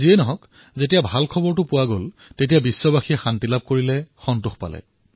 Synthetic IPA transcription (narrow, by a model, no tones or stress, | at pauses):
ziɛnɔɦɔk | zetijabʱalkʰɔbɔɹt̬ʊpʊwaɡol | tet̬ijabisːɔbaxijɛxantilab̚koɹilɛxɔntuxpa̰lɛ̰